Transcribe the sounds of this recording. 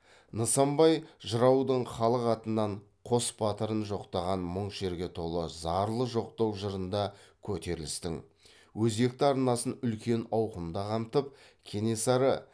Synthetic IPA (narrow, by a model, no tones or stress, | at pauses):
nəsɑmbɑjʒəɾɑwd̪əɴχɑlˠəqɑt̪ənːɑɴ | qʰo̞sbɑt̪əɾənʒo̞qt̪ɑʁɑnmʊɴʃe̞ɾɡʲe̞t̪ʰo̞lˠəzɑɾlˠəʒo̞q̚t̪ɑwʒəɾənd̪ɑkʲʰɵt̪e̞ɾɪlɪst̪ɪŋ | wɵze̞k̚t̪ɪɑɾnɑsənʏlkʲe̞nɑwqənd̪ɑqʰɑmt̪əp̚ | kʲʰe̞ne̞sɑɾə